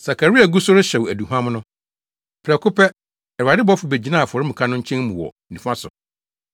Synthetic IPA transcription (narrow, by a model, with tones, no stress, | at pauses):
sa˨kʰa˨ɾi˦a˨ɡu˦sʊ˦ɾɪ˦ɕɛ˨wæ˨du˨ɦã˦mʊ̃˦nʊ̃˦ | pʰɾɛ˨kʰʊ˦pʰɛ˦ | ɛ˨ɾa˨dɪ˦bɔ˦fʊ˨be˨d͡ʑi˨˦nã˦a˨fʊ˨ɔ˨ɾɪ˦mũ˨kʰã˦nʊ̃˦ɲ̩˦t͡ɕʰɛ̃˦n˦mũ˨wɔ̰˨ | nĩ˨fã˦sʊ̰˨